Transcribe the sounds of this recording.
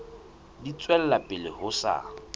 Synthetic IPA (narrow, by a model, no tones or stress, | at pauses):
dit͡sʼwɛl̩lapʼɪlɪhʊsa̰